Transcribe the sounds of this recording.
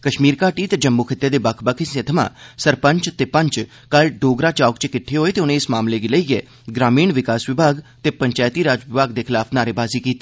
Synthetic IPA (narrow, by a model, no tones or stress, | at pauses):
kəʃmiːɾkaːʈiːt̪eːd͡ʒəmːuːkʰɪt̪ːeːd̪eːbəkʰbəkʰiset̪ʰəmã̰ːsəɾpə̃ɲt͡ʃt̪eːpəɲt͡ʃ | kəlɖoːɡɾaːt͡ʃaːkt͡ʃkɪʈʰːeɦoːeːt̪eːʊnẽːɪsmaːmleːɡiləiːɛː | ɡɾaːmiːɳʋɪkaːsʋɪbʱaːɡt̪eːpəɲt͡ʃaːjt̪iːɾaːd͡ʒʋɪbʱaːɡd̪eːkʰɪlaːpʰnaːɾeːbaːziːkiːt̪i̥ː